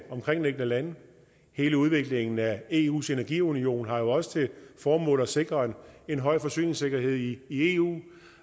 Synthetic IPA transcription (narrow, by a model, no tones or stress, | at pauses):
ɒ̽mkʰʁeŋ̰neɡ̥nəlæn | he̝ːləuð̞ˠʋe̝ɡ̥le̝ŋn̩æe̝ːṵːse̝næɐɡ̥ḭunio̝̰ːnɦɑ̈jo̝ɒ̽sə̥t͡sʰe̝fɒːmɔ̰̽ːlˠɐse̝ɡ̥ʁɐːne̝nɦɒ̽ɪ̰fɒ̽sy̰ːne̝ŋse̝ɡ̥ɐɦe̝ð̞̰ˠiie̝ṵː